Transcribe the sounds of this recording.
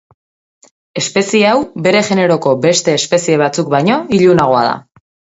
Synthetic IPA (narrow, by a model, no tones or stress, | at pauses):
e̞spe̞sieawbe̞ɾe̞ʝe̞ne̞ɾo̞ko̞be̞st̪e̞ːspe̞sie̞β̞at͡suk̚bajɲo̞iʎunaɣ̞o̞a̰ða̰